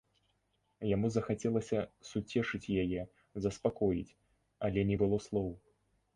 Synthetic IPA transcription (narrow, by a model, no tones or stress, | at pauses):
jamuzɐxat͡sʲɛlˠɐsʲɐsut͡sʲɛʂɨt͡sʲjajɛ | zɐspakɔjḭt͡sʲ | ɐlʲɛnʲɛbɨlˠɔslˠɔw